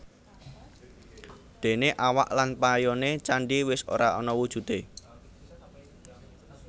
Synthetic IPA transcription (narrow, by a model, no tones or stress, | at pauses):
d̪̥e̤neʔawa̰ʔlanpajɔnet͡ʃaɳɖiwɪso̰ɾaɔnɔwud̥ʒ̥ṳt̪e